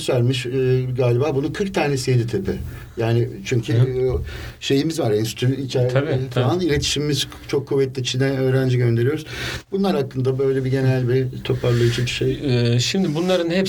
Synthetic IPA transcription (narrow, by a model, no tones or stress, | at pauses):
sæɾʲmiʃɡaːlʲibaːbununkʰɯɾkt̪ʰaːnesijed̪it̪ʰepɪ | jaːnɪt͡ʃʰyɲcʰy | ʃe̞jimizvaɾɛnsy̥t̪ʰyit͡ʃʰɛɾʰaalˠanilʲe̞t̪ʰi̥ʃimimiz | t͡ʃʰokʰːuvːɛt̪lʲit͡ʃʰind̪ɛøːɾænd͡ʒiɟø̞nd̪e̞ɾijo̞ɾuz̥bunlˠaɾhakːɯnd̪abø̞jlʲebiɟe̞nælʲbit̪ʰo̞pʰaɾlˠait͡ʃʰibiʃejɛʃimd̪ɪbunlˠaɾɯnhɛp